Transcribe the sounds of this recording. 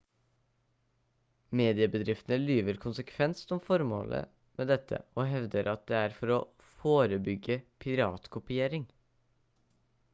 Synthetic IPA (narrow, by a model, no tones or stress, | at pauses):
meːd̪ɪəbəd̪ɾɪft̪ənəlyːʋəɾkʰʊnsəkʰʋɛnsnɔmfɔɾmo̰ːlʔə̰ | mʔeːd̪ɛt̪ʰːə̰oːɦɛʋd̪əɾʔɑt̪̚d̪eːæɾfɔɾɔ | foːɾəbʏɡːəpʰɪɾɑːt̪kʰʊpɪeːɾɪŋ